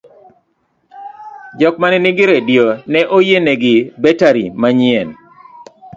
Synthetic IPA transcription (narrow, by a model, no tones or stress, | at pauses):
d͡ʒɔk̚manɛnɪɡɪɾedjonɛʔojenɛɡɪbɛtaɾḭmaɲɪɛn